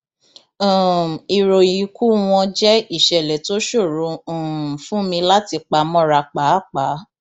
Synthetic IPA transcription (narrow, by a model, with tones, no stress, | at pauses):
i˨ɾo˨ji˨ku˦w̃ɔ̃˧d͡ʒɛ˦i˦˨ʃɛ˨lɛ˨to˦ʃo˦˨ɾõ˨˦˨fũ˦mĩ˧la˦ti˧k͡pa˧mɔ̃˦ɾa˧k͡pa˨˦˨k͡pa˨˦